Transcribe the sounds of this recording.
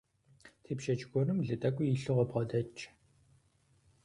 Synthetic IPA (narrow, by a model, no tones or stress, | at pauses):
tʰeːpʃɐt͡ʃʼɡʷɔnɨmɮɨtʼɐkʷʼʊiɬɨʁɔpʁɔdɐt͡ʃʰʼ